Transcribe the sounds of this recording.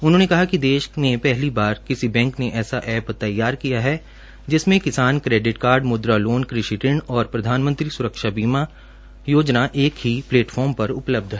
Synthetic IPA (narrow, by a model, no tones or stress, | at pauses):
ʊnɦõːnekɐɦakid̪eːʃmẽpɛɦlibaːɾkɪsibɛ̃ːŋkneʔɛːsaʔɛːpt̪ɐjːaːɾkijaɦɛ | d͡ʒɪsmẽkɪsaːnkɾeːɖɪʈkaːɾɖmʊd̪ɾaloːnkɾɪʃɪʈɪɳɔːɾpɾɐd̪ʱaːnmə̃nt̪ɾisʊɾəkʃabiːma | joːd͡ʒnaʔeːkɦipleːʈfʰɔːɾmpɐɾʊpləb̚d̪ʱɦɛː